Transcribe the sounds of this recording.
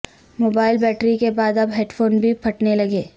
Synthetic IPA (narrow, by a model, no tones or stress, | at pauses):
moːbaːɪlbɛːʈɾikebaːd̪ɐbɦeːʈfʰoːnbʱipʰɐʈnelɐɡeː